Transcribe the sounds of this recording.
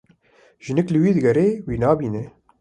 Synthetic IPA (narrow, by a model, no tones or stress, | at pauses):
ʒ̥ɪnɪklɨwiːd̪ɨɡɛɾeːwiːnɑːbiːnɛ